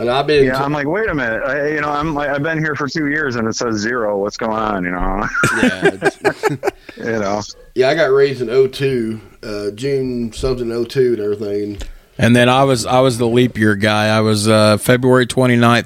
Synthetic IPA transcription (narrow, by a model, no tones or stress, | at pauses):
ə̃naɪbɪ̃njæãɪ̃mlaɪkweɪɾɨ̃mɪt̚aɪjɨnoʊãɪ̃mlaɪaɪvbɨ̃nhiɹfə˞tʰʉjɪɹzɨ̃nɨtsɛzɪɹoʊlʌtsɡ̥oʊɪ̃ŋə̰̃njɨñoʊjæs | jɨnoʊ | jæaɪɡɑt̚ɹeɪzɨ̃noʊtʰʉ | ʌd͡ʒʉ̃nsʌ̃mθɪ̃ŋoʊtʰʉɨ̃nɛvɹiθɪ̃ŋ | ʔɨ̃nðɨ̃ñaɪwʌza̰ɪwʌzðəlipijə˞ɡaɪaɪwʌzʌfɛbɹuɛɹitʰw̥ɛ̃ɾ̃inãɪ̃n